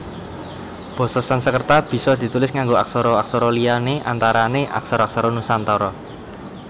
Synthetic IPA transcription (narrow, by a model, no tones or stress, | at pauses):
b̥ɔ̤sɔsansəkərt̪ab̥i̤sɔd̪̥i̤t̪ulɪsŋaŋɡoaksɔɾɔaksɔɾɔlianeʔa̰nt̪aɾaneʔa̰ksɔɾɔaksɔɾɔnusant̪ɔɾɔ